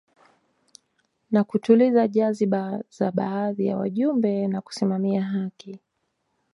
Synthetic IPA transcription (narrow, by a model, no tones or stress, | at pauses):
nakutulizaʄaziɓazaɓaːðija̰wa̰ʄumbɛnaku̥simamiaɦaki